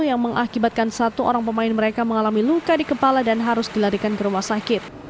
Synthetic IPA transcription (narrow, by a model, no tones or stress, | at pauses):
ujaŋməŋʔakibat̪̚kansat̪uʔo̰ɾaŋpəmaɪnməɾekaməŋalamilukadikəpaladanɦaɾʊsdilaɾikankəɾuwasakɪt̪̚